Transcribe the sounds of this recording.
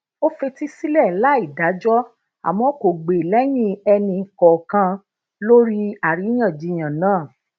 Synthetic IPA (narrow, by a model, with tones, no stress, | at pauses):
o˦fe˧ti˦si˦lɛ˦˨la˨˦i˦˨da˨˦d͡ʒɔ˦ | a̰˨mɔ̃˨˦ko˨ɡ͡be˨lɛ˨˦j̃ĩ˦ɛ˧nĩ˧˨kɔ˨kã˧ | lo˦ɾi˦a˨ɾi˨˦j̃ã˦˨d͡ʒi˧j̃ã˨nãː˦˨